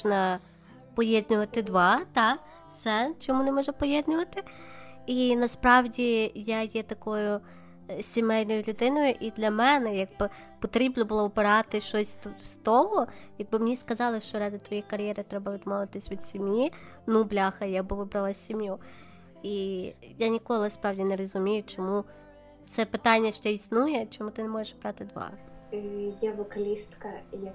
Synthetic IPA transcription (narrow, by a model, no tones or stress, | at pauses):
nɐ | pɔjɛd̪ʲnʲʊʋɐt̪ɪd̪ʋɑt̪ɑ | wsɛt͡ʃɔmunɛmɔʒɐpɔjɛd̪ʲnʲʊʋɐt̪ɪinɐspɾɑwdʲijajɛt̪ɐkɔjʊ | sʲimɛjnɔjʊlʲʊd̪ɪnɔjʊʔid̪lʲɐmɛnɛjɐɡ̚bɪ | pɔt̪ɾʲibnɔbʊlˠɔɔbɪɾɑt̪ɪʃɔsʲt̪st̪ɔɦɔjɐɡ̚bɪmnʲiskɐzɑlˠɪʃt͡ʃɔɾɑd̪ʲɪt̪ʋɔjɛkɐɾʲjɛɾɪt̪ɾɛbɐʋʲid̪mɔʋɪt̪ɪsʲʋʲid̪sʲimji | nublʲɑxɐjaɡ̚bɪʋɪbɾɐlˠɑsʲimju | ijanʲikɔlˠɪspɾɑwdʲineɾɔzʊmʲijʊt͡ʃɔmu | t̪sɛpɪt̪ɑnʲːɐʃt͡ʃɔisnujɛt͡ʃɔmut̪ɪnemɔjeʃbɾɑt̪ɪd̪ʋɑ̰ɦɪjaʋɔkɐlʲist̪kɐja